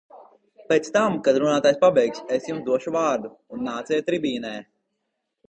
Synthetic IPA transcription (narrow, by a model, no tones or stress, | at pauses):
peːt̪st̪amkad̪ɾunaːt̪aːjspabɛjksɛsjumsd̪uɔʃuvaːɾd̪uːnːaːt̪sɛjt̪ɾibiːnɛː